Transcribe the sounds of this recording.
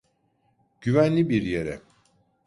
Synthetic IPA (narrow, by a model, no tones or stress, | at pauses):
ɟ̥yvænlʲibiɾjeɾɛ